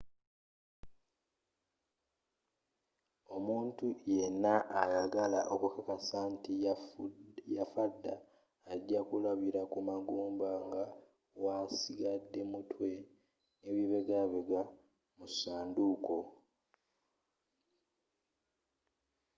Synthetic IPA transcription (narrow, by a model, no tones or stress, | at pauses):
o̞muːntuje̞nːaʔːjaɡalaʔokukakasaːnti | jafadːaː | ɟakulaβiɾakumaɡuːmbaŋɡa | wasiɡadːe̞mutwe̞ | neβiβeɡaβeɡa | musaːnduko̞